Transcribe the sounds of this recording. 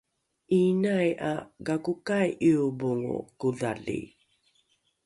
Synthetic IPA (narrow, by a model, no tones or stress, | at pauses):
inajaɡakukajʔiubuŋṵkuðalḭ